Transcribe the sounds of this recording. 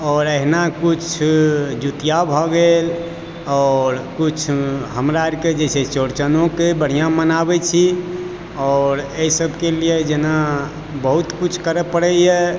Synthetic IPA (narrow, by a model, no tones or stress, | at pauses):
ɔːɾəɦnakut͡ʃʰd͡ʒut̪ijabʱɔɡel | ɔːɾkut͡ʃʰɦəmɾaeɾked͡ʒɛset͡ʃoɾt͡ʃənõkebəɽ̤ijãmənabɛt͡ʃʰi | ɔːɾeisəbʱkelied͡ʒena | bəɦut̪kut͡ʃʰkəɾɛpəɽɛjɛ